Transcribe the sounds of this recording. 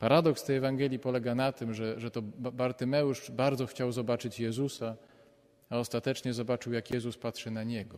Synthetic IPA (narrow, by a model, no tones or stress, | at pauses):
paɾad̪ɔkst̪ɛjɛvaŋɡɛlʲjipɔlɛɡanat̪ɘmʐɛʐɛt̪ɔbaɾt̪ɘmɛwʂbaɾd̪zɔxt͡ɕawzɔbat͡ʂɘt͡ɕjɛzusa | aɔst̪at̪ɛt͡ʂɲɛzɔbat͡ʂɘwjakjɛzuspatʂɘnaɲɛɡɔ